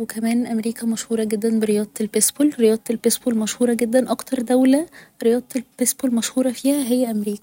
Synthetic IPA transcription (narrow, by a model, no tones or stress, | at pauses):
wekæmæːnʔæmɾiːkæmæʃhuːɾˤɑɡed̪ːænbeɾejɑːd̪ˤelbesbolɾejɑːd̪ˤelbesbolmæʃhuːɾˤɑɡed̪ːænʔɑkt̪ɑɾˤd̪æwlæɾejɑːd̪ˤelpesbolmæʃhuːɾˤɑfiːhæɦejːæʔæmɾiːkæ̥